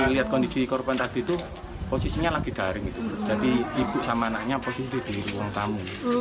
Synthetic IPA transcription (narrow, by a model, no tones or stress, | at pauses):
liat̪̚kɔnd̪isikɔɾupɛnak̚d̪̥it̪u | posisiɲalaɡ̥i̤d̪̥a̤ɾɪŋit̪ud̥ʒ̥a̤d̪̥iib̥ṳʔsamanaʔɲaposisid̪̥i̤b̥iɾiwɔŋt̪amu